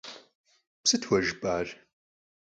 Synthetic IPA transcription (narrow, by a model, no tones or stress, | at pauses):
psɨtʰwɐʒbaːr